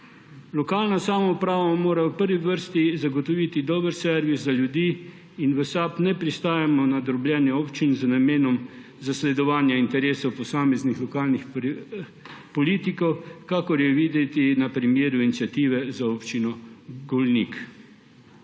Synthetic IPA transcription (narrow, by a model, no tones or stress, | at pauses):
lɔkaːlnasaːmɔupɾaːʋamoːɾawpəɾʋiʋəɾst̪izaɡɔt̪ɔʋiːt̪id̪ɔːbəɾsɛɾʋiszaljud̪iː | inʋəsaːpnɛpɾist̪aːjamɔnad̪ɾɔblʲjɛːnjɛɔːpt͡ʃinznameːnɔm | zaslɛd̪ɔʋaːnjaint̪ɛɾeːsɔwpɔsaːmɛznixlɔkaːlnix | pɔliːt̪ikɔwkakɔɾjɛʋiːd̪ɛt̪inapɾimjeːɾuinit̪sʲjat̪iːʋɛzaɔpt͡ʃinɔɡɔlnḭːk